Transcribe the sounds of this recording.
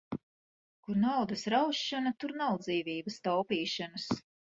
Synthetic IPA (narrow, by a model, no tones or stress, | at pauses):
kuɾnawd̪ɐsɾawʃːanat̪uɾnawd̪ziːvʲiːbɐst̪awpiːʃanəs